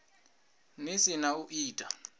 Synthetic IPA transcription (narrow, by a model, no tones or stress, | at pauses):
nisinauʔiːtʼa